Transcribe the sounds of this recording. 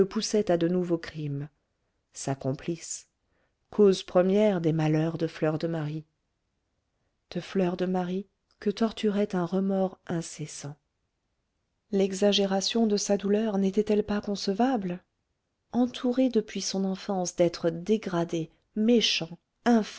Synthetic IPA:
əpusɛt̪ad̪ənuvokχim | sakɔ̃plis | kʰozpχəmjɛʁd̪emalœʁd̪əflœʁd̪əmaʁi | d̪̥əflœʁd̪əmaʁi | kət̪ɔʁt̪yʁɛt̪ɛ̃ʁəmɔʁɛ̃sesɑ̃ | lɛɡzaʒeʁasjɔ̃d̪əsad̪ulœʁnet̪ɛt̪ɛlpakɔ̃səvabl | ɑ̃t̪ʰuʁed̪əpɥisɔ̃nɑ̃fɑ̃sd̪ɛt̪χəd̪eɡʁad̪e | meʃɑ̃ | ɛ̃f

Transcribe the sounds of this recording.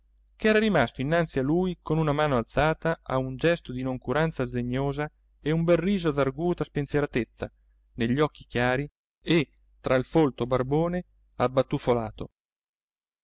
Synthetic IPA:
keɛːɾaɾimast̪oinːant̪sialːuːjkonunamaːnoalt̪saːt̪aa̰und͡ʒɛst̪od̪inoŋkuɾant̪sazd̪eɲːoːza | eumbɛrːiːzod̪arɡuːt̪aspensjeɾat̪et̪sːa̰ | neʎːɔkːikjaːɾi | e | t̪ːɾailfolt̪obarboːne | abːat̪ːufolaːt̪o

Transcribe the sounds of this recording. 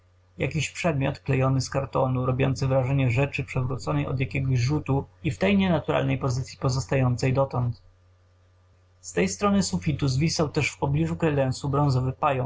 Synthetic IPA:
ja̰kʲiɕpʂɛd̪̚mʲjɔt̪klɛjɔnɘskaɾt̪ɔnuɾɔbʲjɔ̰nt̪sɘvɾaʐɛɲɛʐɛt͡ʂɘpʂɛvɾut̪sɔnɛjɔ̰d̪jakʲɛɡɔʑʐut̪uift̪ɛjɲɛnat̪uɾa̰lnɛjpɔzɘt̪sʲjipɔzɔst̪ajɔnt̪sɛjd̪ɔt̪ɔnt̪ | st̪ɛjst̪ɾɔnɘsufʲit̪uzvʲisawt̪ɛʂfpɔblʲiʐukɾɛlɛnsubɾɔ̃ñzɔvɘpajɔ

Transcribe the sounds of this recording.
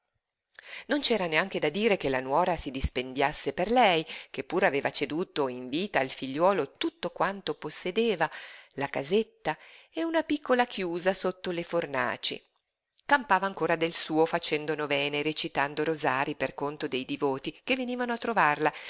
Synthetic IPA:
nont͡ʃɛːɾaneaŋk̟ed̪ad̪iːɾekelanwɔːɾasid̪ispend̪jasːeperlɛjkepːuːɾaveːvat͡ʃed̪uːt̪oiɱviːt̪aːlfiʎːwɔːlot̪ut̪ːokwant̪oposːed̪eːvalakazet̪ːaeunapikʰːolakʰjuːzasot̪ːoleforna̰ːt͡ʃḭ | kampaːvaːŋkoːɾad̪elsuːofat͡ʃɛnd̪onovɛːneɾet͡ʃit̪and̪oɾozaːɾiperkont̪od̪ejd̪ivoːt̪ikevːeniːvanoat̪ːɾovarla

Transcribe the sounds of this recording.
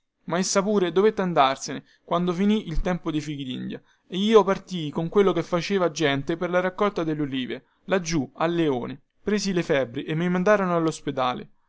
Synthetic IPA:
maesːapuːɾed̪ovet̪ːand̪arsene | kwand̪ofiniʔilt̪ɛmpod̪ifikid̪ḭnd̪ja | eiːopart̪ikoŋkwelːokefːat͡ʃeːvad͡ʒɛnt̪eperlaɾakːɔlt̪ad̪elːoliːve | lad͡ʒːualːeoːne | pɾeːsilefɛbːɾiʔemːimand̪aːɾonoalːosped̪a̰ːlḛ

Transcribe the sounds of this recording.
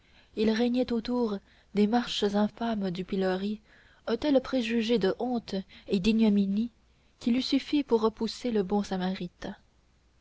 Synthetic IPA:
ilʁɛɲɛt̪ot̪uʁ | d̪emaʁʃəzɛ̃famd̪ypilɔʁi | œ̃t̪ɛlpχeʒyʒed̪əʔɔ̃t̪ed̪injɔmini | kʲilysyfipuʁːəpuseləbɔ̃samaʁit̪

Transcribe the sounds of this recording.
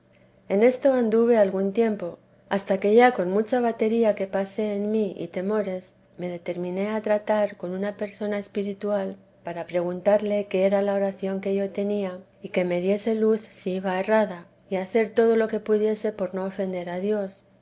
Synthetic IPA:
e̞ne̞st̪o̞and̪uβe̞alɣunt̪je̞mpo̞ | ast̪ake̞ʝako̞nmut͡ʃaβat̪e̞ɾiake̞pase̞ːnmiḭt̪e̞mo̞ɾe̞s | me̞ðe̞t̪e̞ɾmĩne̞at̪ɾat̪aɾko̞nunape̞ɾso̞nae̞spiɾit̪ual | paɾapɾe̞ɣ̞unt̪aɾle̞ke̞eɾalao̞ɾaθjo̞ŋke̞ʝo̞t̪e̞nia | ike̞me̞ðje̞se̞luθsiiβae̞raða | iaθe̞ɾt̪o̞ð̞o̞lo̞ke̞puðje̞se̞po̞ɾno̞ofe̞nd̪e̞ɾaðjo̞s

